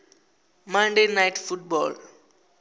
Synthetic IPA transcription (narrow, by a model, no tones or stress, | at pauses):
mãndenajtfutbɔl